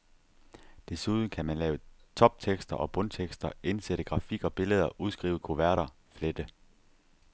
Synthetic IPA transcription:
d̥e̝suð̞ˠn̩kʰæmænlɛːʊət͡sʰɒ̽b̥̚t͡sʰeɡ̥sd̥ɐʔɒ̽b̥ɔ̽nt͡sʰeɡ̥sd̥ɐe̝nseɾ̥əɡ̥ʁɑ̈fiɡ̥ɒ̽b̥e̝ləð̞ˠɐʔuð̞ˠsɡ̥ʁḭːʊð̩ˠkʰoʋæɐ̰ɾɐ | fled̥ə

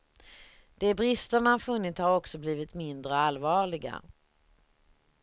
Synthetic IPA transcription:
d̪̥ɛbɾɪst̪əɾmanfɵnːɪt̪shaɾɔksɔbliːvɪt̪mɪnd̪ɾəalːvɑːɭɪɡa̰

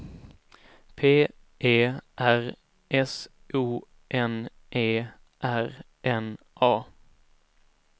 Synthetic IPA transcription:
pʰeː | eːʔæɾ | ʔɛs | ʔuː | ʔɛn | ʔeː | ʔæɾ | ʔɛn | ʔɑː

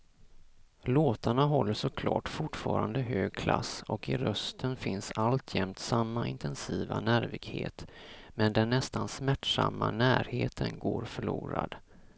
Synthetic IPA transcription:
loːt̪aɳaɦɔlːəʂɔkʰlɑːʈfʊʈfɑːɾand̪əɦøːɡkʰla̰sɔkɪɾœst̪ʰənfɪnsalt̪ʰjɛmt̪samːaʔɪnt̪ʰɛnsiːvanæːɾvɪɡhḛːt̪mɛnd̪ɛnːɛst̪ansmæʈʂamːanæːɾheːt̪ʰənɡoːɾfœɭuːɾa̰d̪

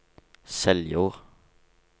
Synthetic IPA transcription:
sɛljʊʁ

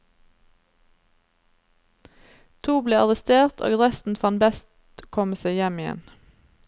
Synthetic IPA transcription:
t̪ʰuːbleːɑʁəst̪eːʁt̪ʰo̰ːɡʁɛst̪n̩fɑnbɛst̪ | kʰɔməseɪjɛmɪɛ̰n

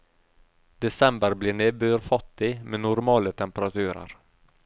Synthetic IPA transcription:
d̪̥ɛsɛmbəɾblɪɳeːbøːɾfɔt̪ːɪmenʊɾmɑːlət̪ʰɛmpəɾat̪ʰʉ̟ːɾə̰ɾ

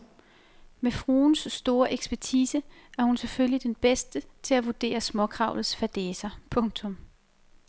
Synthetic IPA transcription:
mefʁuːnsːd̥o̝ːɐʔeɡ̥sb̥æɐt͡sʰiːsəʔæɐhunseføllid̥enb̥esd̥ət͡sʰe̝læʋud̥e̝̰ːɐsmɒ̽kʰʁɑ̈ʊlð̩ˠsfæd̥eːsɐpʰɔ̽ŋt͡sʰɔ̽m

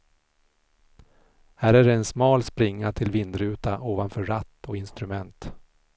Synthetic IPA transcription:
hæːɾæɖɛɛnsmɑːlspɾɪŋːaʈʰɪlvɪnd̪ɾʉ̟ːt̪aʔoːvanfœːɾat̪ːɔɪnst̪ɾɵmɛnt̪

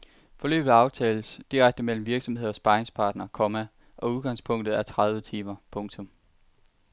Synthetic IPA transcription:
fɒ̽lø̰ːb̥ð̩ˠɑ̈ʊt͡sʰɛːl̩sd̥iʁaɡ̥̚d̥əmel̰m̩ʋiɐɡ̥sɒ̽m̩he̝ð̞̰ˠɒ̽sb̥ɑ̈ɪeŋspʰɑ̈ːd̥nɐkʰɒmæ | ʔɒ̽uð̞ˠɡ̥ɑ̈ŋspʰɔ̽ŋ̰d̥ð̩ˠæɐt͡sʰʁɑð̞ˠʋət͡sʰiːmɐpʰɔ̽ŋt͡sʰɔ̽m

